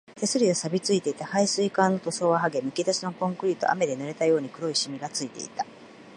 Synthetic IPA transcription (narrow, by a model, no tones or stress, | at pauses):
t̪e̞sɨɾʲiosabʲit͡sɨit̪e̞it̪ahaisɨikãnːo̞t̪o̞so̞ːβaɦaɡe̞mɯ̟kʲit̪asino̞kõŋkɯ̟ɾʲit̪o̞̰ʔa̰me̞d̪e̞nɯ̟ɾe̞t̪ajo̞ːɲ̟ikɯ̟ɾo̞iɕimʲiɡat͡sɨit̪e̞̰it̪ḁ